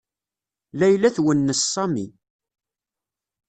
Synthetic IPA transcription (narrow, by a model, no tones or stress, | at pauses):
læjlæθwənːəsːɑmḭ